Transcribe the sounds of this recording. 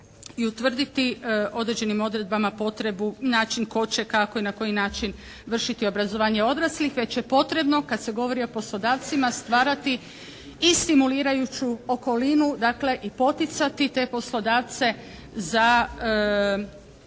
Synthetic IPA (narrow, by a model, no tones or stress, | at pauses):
iut̪ʋr̩d̪it̪io̞d̪ɾed͡ʑe̞nimo̞d̪ɾe̞d̪̚bamapo̞t̪ɾe̞bunaːt͡ʃinko̞t͡ɕe̞kako̞inako̞jinaːt͡ʃin | ʋr̩ʃit̪io̞bɾazo̞ʋaːɲe̞o̞d̪ɾaslixʋe̞t͡ɕje̞po̞t̪ɾe̞bno̞kad̪se̞ɡo̞ʋo̞ɾio̞po̞slo̞d̪aːʋt̪simast̪ʋaːɾat̪i | ist̪imuliːɾajut͡ɕuoko̞linud̪aːkle̞ʔipo̞t̪it̪sat̪it̪e̞po̞slˠo̞d̪aːʋt̪se̞ | za